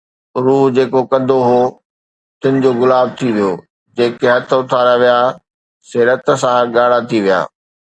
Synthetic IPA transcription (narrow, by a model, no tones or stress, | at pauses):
ɾuːɦd͡ʑeːkokɐ̃d̪ʱoɦoː | t̪ɪnɪ̆d͡ʑoːɣʊlaːb̚t̪ʰiʋijoː | d͡ʑeːkeɦɐt̪ʰʊt̪ʰaːɾaʋija | seːɾət̪ə̆sãɠaːɽ̤at̪ʰiʋija̰ː